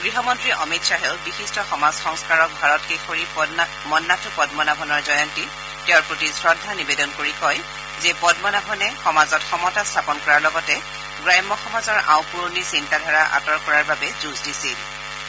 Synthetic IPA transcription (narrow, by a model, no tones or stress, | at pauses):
ɡɹiɦɔmɔntɹiʔɔmitsaɦɛlbixistɔxɔmazxɔŋskaɹɔk̚bʱaɹɔt̚kexoɹi | mɔnːatʰʊpɔdmɔnabʱɔnɔɹzɔjɔnti | tɛʊɹpɹotisɹɔdʱːanibedɔnkoɹikɔj | zɛpɔdmɔnabʱɔnɛxɔmazɔtxɔmɔtastʰapɔnkɔɹaɹlɔɡɔtɛ | ɡɹajmːɔxɔmazɔɹʔa̰ʊpuɹnisintadʱaɹaʔa̰tɔɹkɔɹaɹbabɛzuzdisil